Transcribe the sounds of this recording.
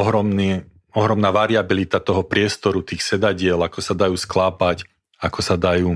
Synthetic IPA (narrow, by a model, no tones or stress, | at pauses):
ɔɦɾɔmni | ɔɦɾɔmnaːʋaɾiabilit̪at̪ɔɦɔpɾɪɛst̪ɔɾut̪iːxsɛd̪aɟɪɛlakɔsad̪ajuːsklaːpac | akɔsad̪ajuː